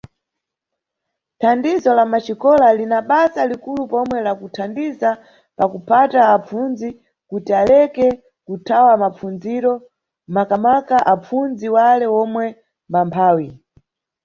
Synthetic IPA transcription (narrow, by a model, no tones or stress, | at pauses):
tʰandizɔlamat͡ʃikɔlalinaɓasalikulupɔmwɛlakutʰandiza | pakupʰataːp͡funzi | kutialɛkɛ | kutʰawamap͡funziɾɔ | makamakaʔap͡funziwalɛwɔmwɛ | mbampʰaːwi